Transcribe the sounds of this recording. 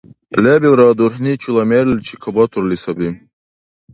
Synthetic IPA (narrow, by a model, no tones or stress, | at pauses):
lebilɾɑːd̪uɾɦnit͡ʃʰulɐmeɾlt͡ʃʰikʰɐbat̪ʰuɾlisɐbi